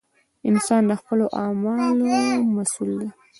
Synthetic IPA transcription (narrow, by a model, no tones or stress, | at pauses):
ɪnsɑnd̪əxpəloʔɑmɑlomasuld̪e